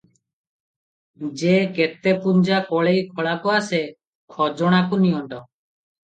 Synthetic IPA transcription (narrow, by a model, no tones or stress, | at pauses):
d͡ʒeket̪epuɲd͡ʒakɔɭejkʰɔɭakɔase | kʰɔd͡ʒɔɽ̃akuniɔɳʈɔ